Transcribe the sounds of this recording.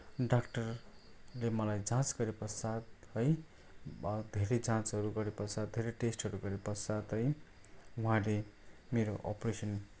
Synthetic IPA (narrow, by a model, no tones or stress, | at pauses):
ɖakʈʌrlemʌlajd͡zãt͡sɡʌɾepʌsad̪ɦʌj | d̪ʱeɾʌd͡zãt͡sɦʌɾuɡʌɾepʌsat̪̚d̪ʱeɾeʈesʈɦʌɾuɡʌɾepʌsad̪ɦʌj | uɦãlemeɾoʔʌ̰presʌn